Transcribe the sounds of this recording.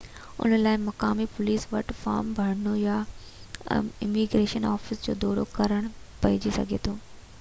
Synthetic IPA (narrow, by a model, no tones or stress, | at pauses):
ʊ̰n̤əlaːɪmɐkaːmipʊliːsʋɐʈfa̰ːɾmbʱɐɽ̤noja | ɪmiɡɾeːʃənaːfɪsd͡ʑo̰ːd̪ɔːɾokɐɾəɽ̃pɐɪd͡ʑisɐ̰ɡʱet̪ʰoː